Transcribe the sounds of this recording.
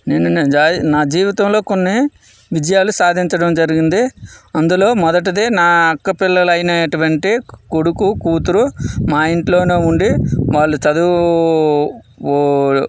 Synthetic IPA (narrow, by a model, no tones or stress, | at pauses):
neːnud͡ʒaːnaːd͡ʒiːʋit̪ɐmlo̞ːko̞nːi | ʋid͡ʒɐjaːlusaːd̪ʱiɲt͡ʃɐɽɐmd͡ʒɐɾiɡind̪iɐnd̪ulo̞ːmɔd̪ɐʈ̬ɐd̪eːnaːɐkːɐpɪlːɐlɐjnɐeʈuʋɐɳʈikoɽukukuːt̪uɾumaːiɳʈlo̞ːneːuɳɖiʋaːɭːut͡ʃɐd̪u | oː